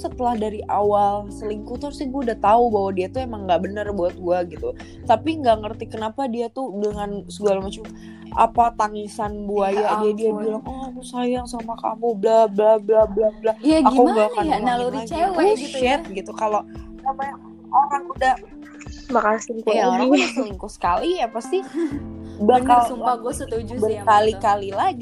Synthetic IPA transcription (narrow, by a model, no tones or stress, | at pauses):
sət̪əlahdaɾiʔawalsəliŋkut̪aɾusaɡuaudaht̪aubaɦwadiat̪uemaŋːɡaʔbənərbuat̪̚ɡuaɡit̪u | t̪apiŋɡaŋərt̪ikənapadiat̪udəŋansuɡalamat͡ʃam | ʔa̰pat̪aŋisanbuajadiadiailaŋamusajaŋsamaka̰muhblablahblablahblajaɡauɡakajanaluɾiawaʃɛt̪̚ɡit̪ukalosamajaŋ | oɾaŋudah | makasiŋkujaŋɾaasniŋkusə̥kalijapast̪i | bakalaɡət̪ud͡ʒbərkalikalilaɡi